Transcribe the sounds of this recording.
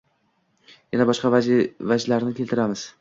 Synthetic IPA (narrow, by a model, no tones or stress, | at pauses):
janabɒʃqɑvavad͡ʒlaɾnɪkʲʰe̞lt̪ɪɾamɪz̥